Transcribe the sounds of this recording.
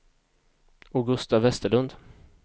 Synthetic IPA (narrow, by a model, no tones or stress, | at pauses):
ʊɡɵst̪avːɛst̪əɭɵnd̪